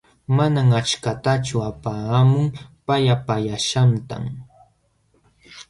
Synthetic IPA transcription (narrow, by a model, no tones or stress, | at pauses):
manaŋat͡ʃkat̪at͡ʃʊapaːamʊŋpajapajaʃant̪a̰m